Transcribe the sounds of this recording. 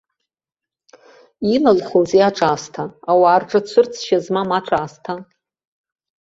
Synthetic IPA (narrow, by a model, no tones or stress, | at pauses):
ilalχʷozijaʈ͡ʂʼaːstʰaawaːrʈ͡ʂʼɨt͡sʷʰʊrt͡sʰʃazmamaʈ͡ʂʼaːstʰa